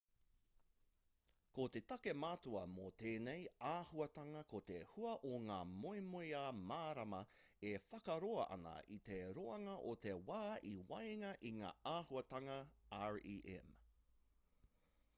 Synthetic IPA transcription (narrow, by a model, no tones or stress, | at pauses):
kot̪e̞tɐkemaːtuɐmot̪eːnejaːhuɐtɐŋɐkot̪ehuɐʔoŋaːmoimojaːmaːɾɐmɐ | efɐkɐɾoɐʔɐ̰nɐ̰ʔit̪eɾoɐŋɐʔot̪ewaːiwɐjŋɐʔiŋa̰ːaːhuɐtɐŋɐaɹiːʔɛ̰m